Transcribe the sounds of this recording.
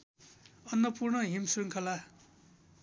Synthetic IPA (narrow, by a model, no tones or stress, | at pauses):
ʌnːʌpurnʌɦimsriŋkʰʌla